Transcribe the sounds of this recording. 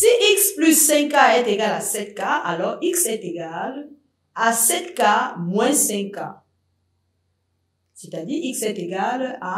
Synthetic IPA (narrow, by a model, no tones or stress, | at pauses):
siʔiksplysːɛ̃kaɛt̪eɡalasɛt̪̚kaalɔʁiksɛt̪eɡal | asɛt̪kamwɛ̃sɛ̃ka̰ | set̪ad̪iʁiksɛt̪eɡala